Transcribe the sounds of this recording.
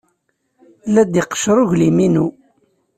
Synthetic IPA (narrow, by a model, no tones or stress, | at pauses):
læd̪iqːə̥ʃɾˤʊʝliminu